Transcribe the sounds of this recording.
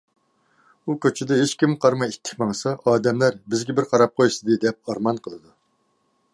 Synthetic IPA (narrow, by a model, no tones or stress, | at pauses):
ukʲøt͡ʃʰɪd̪ɛɦet͡ʃkʲimqʰɑɾmɑit̪ʰːɪ̥k̚ʲmɑŋsɑʔɑːd̪ɛmlæɾbɪzɡʲɛbɪɾqʰɑɾɑp̚qʰojsɨd̪ɨd̪ɛp̚ɑɾmɑnqʰəlˠɨd̪u